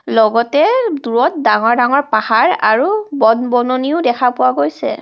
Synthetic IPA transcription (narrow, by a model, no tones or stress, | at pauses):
lɔɡɔtɛduɹɔt̚daŋɔɹdaŋɔɹpahaɹaɹubɔnbɔnoniʊdɛkʰapʊwaɡojsɛ̰